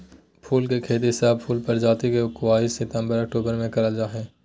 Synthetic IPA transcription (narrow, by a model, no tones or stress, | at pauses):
pʰuːlkekʰeːt̪̬iɪsaːbpʰuːlpɐɾd͡ʒaːt̪ikeʊkwaːiːsɪt̪ə̃mbəɾɐk̚ʈuːbəɾmẽkɐɾəld͡ʒaːɦɛ̃ː